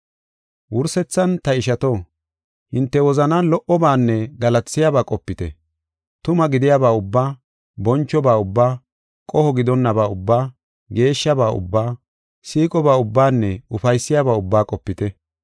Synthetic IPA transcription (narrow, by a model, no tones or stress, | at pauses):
wʊɾsɛt͡sːɐnt̪ɐɪʃɐt̪o | hɪnt̪ːɛwɔzɐnalɔʔɔbaːnːɛɡɐlɐt͡sːɪjaːbaːkʼɔpːɪt̪ɛ | t̪ʊmɐɡɪd̪ɪjaːbaːʊbːaː | bɔnt͡ʃːɔbaːʊbːaː | kʼɔhɔɡɪd̪ɔnːɐbaːʊbːaː | ɡe̞ːʃːɐbaːʔʊ̰bːaː | siːkʼɔbaːʊbːaːnːɛʊfɐjsːɪjaːbaːʊbːaːkʼɔpːɪt̪ɛ